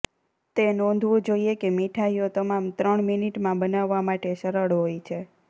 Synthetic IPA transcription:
t̪enɔ̃nd̪ʱʋũd͡ʒoiekemiʈʰaijot̪əmamt̪ɾəɳminiʈmãbənaʋːamaʈeʃəɾəɭɦojt͡ʃʰe

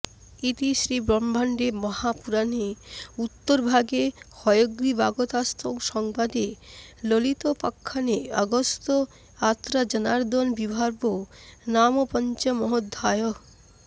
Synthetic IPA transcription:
it̪iʃɾibɾɔmbʱaɳɖemɔhapuɾaniut̪ːoɾbʱaɡehɔjoɡɾibaɡot̪ast̪ʰokʃɔŋbad̪elolit̪opakʰːanea̰ɡost̪o | at̪ːɾad͡ʑɔnaɾd̪onbibʱaɾbonamopɔnt͡ɕamɔɦod̪ʱːajo

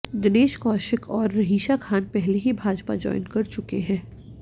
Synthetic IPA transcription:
d̪ɪneːʃkɔːʃɪkɔːɾːɐɦiːʃakʰaːnpɛɦleɦibʱaːd͡ʒpa̰d͡ʒɔ̰ːɪnkɐɾt͡ʃʊkeɦɛ̃ː

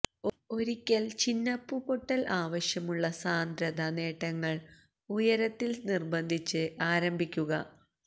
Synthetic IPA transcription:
o̞ɾikʲːɐlt͡ɕinːɐpːupoʈːɐlʔaːʋɐɕjɐmuɭːɐsaːnd̪ɾɐd̪ɐne̞ːʈːɐŋːɐɭ | ujɐɾɐt̪ːilnirbɐnd̪ʱit͡ɕːɨʔaːɾɐmbʱikʲːuɣɐ

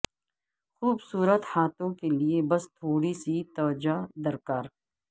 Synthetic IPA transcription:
xuːbsuːɾət̪haːt̪õkeliebɐst̪ʰoːɽisit̪ɐʋd͡ʒad̪ɐɾkaːɾ

